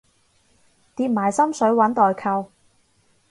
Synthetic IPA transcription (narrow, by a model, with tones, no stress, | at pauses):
t̪iː˧p̚maː˨˩jsɐ˥msɵ˨˥ɥwɐ˨˥nt̪ɔː˨jkʰɐ˧w